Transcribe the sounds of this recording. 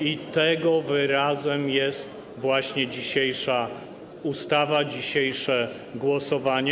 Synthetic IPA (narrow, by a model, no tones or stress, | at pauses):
it̪ɛɡɔvɘɾazɛmjɛst̪ | vwaɕɲɛd͡ʑiɕejʂa | ust̪avad͡ʑiɕejʂɛ | ɡwɔsɔvaɲɛ